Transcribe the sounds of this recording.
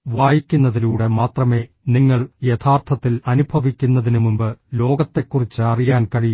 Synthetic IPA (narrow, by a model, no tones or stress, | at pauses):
ʋaːjikʲːunːɐðinuːɽe̞maːt̪rɐme̞ː | niŋːɐɭje̞t̪ʰaːrt̪ʰɐt̪ːilɐnubʱɐʋikʲːunːɐðinumumbɨlo̞ːɡɐt̪ːe̞kːurit͡ɕːɨɐrijaːnkɐɻij